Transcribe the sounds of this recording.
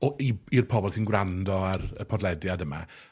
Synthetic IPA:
ɔiirpʰɔbɔlˠsinɡwrandɔarəpʰɔdlˠɛdjadəma̰

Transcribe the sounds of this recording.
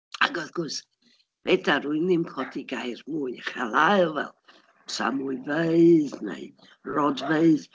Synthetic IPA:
a̰ɡɔðɡ̥ʊs | b̥edaɾuɨnɪmkʰɔdiɡajrmuːɨaχalˠaɨlˠvɛ̰lˠ | sa̰muɨveɨðnḛɨ | rɔdveɨð

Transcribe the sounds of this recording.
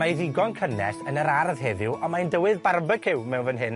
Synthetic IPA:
maiðɪɡɔnkʰənɛ̰sənəɾarðɦɛðɪwɔmaɨndəwɨðbarmbəkʰɪwmɛwnvənɦɪn

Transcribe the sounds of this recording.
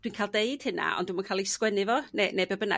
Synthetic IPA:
d̥winkʰaːlˠdeɨd̥hɪna̰ɔ̰ndɪmankʰaːlˠiskwɛnɨvɔnenebɛbəna̰

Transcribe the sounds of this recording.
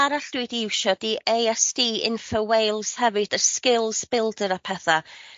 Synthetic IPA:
aɾaɬd̥uɨdɪwʃɔdiʔejɛstiːɪ̰nfəwejlˠshɛvɨd̥əskɪlˠsbɪlˠdəɾapʰɛθa

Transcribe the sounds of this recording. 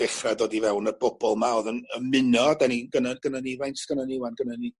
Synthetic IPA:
ɛχradoːdivɛwnərbɔbɔlˠmaoːðənəmɪnɔdaniɡənanɡənanivajntʰɡ̥ənanɪwanɡənani

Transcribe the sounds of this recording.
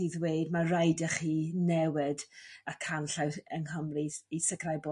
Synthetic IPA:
iðweːdmarajdəχiːnɛwɪdakʰanɬawəŋhəmriisəkʰrajbo

